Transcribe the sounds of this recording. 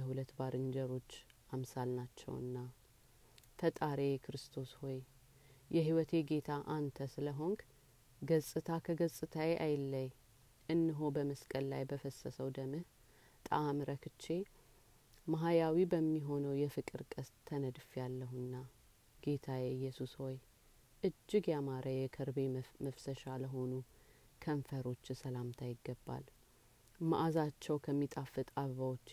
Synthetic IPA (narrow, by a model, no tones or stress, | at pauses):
əhulət̪ːbaɾɨnd͡ʒəɾo̞t͡ʃːʔamsalnat͡ʃːɛ̰wɨ̰nːa | t̪ʰət̪ʼaɾekʰɾɨst̪ʰo̞sho̞j | jɛɦiwɔt̪ʰeɡe̞t̪ʰaʔant̪ʰəsɨləɦo̞ŋɡ | ɡəsʼɨt̪ʰakʰəɡəsʼɨt̪ʰajeʔajlːəj | ʔɨnːɨɦobəməskʼəlla̰jbəfəsːəsəwd̪əmɨh | t̪ʼəamɾəkʰɨt͡ʃːe̞ | maɦajawibəmːiɦo̞nəwjɛfɨkʼɨɾkʼəst̪ʰːənəd̪fjalːəɦunːa | ɡ̥e̞t̪ʰajɛɨjːɛsusho̞j | ʔɨd͡ʒːɪɡjamaɾʔəjɛkʰəɾbe̞məfsəʃaləɦo̞nu | kʰəɱfəɾo̞t͡ʃːsəlamt̪ʰajɪɡːəbːa̰l | maʔazat͡ʃːɛwkʰəmːit̪ʼafːɨt̪ʼaββawot͡ʃː